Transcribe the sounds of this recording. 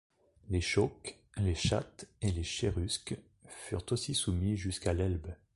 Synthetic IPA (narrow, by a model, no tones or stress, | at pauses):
leʃɔk | leʃa̰t̪eleʃeʁysk | fy̰ʁt̪osisumiʒyskalɛlb